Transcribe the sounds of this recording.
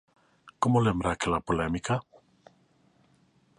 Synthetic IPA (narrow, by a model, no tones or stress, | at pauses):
komolembɾakelapolemika